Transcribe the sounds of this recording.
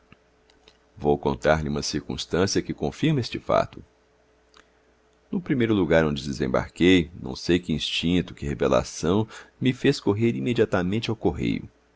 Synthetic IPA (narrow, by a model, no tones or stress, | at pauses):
vowkõ̰nt̪aɾlɪũmɐsiɾkṵ̃st̪ɐ̃siɐkɪkõfiɾmɐest͡ʃɪfa̰t̪ʊ | nʊpɾimejɾʊluɡaɾõd͡ʒɪd̪ezḛ̃ba̰ɾkejnɐ̰̃w̃sejkɪĩst͡ʃĩnt̪ʊkɪhevela̰sɐ̃w̃mɪfeskoɦeɾimed͡ʒiat̪amẽnt͡ʃɪawkoɦḛjʊ̰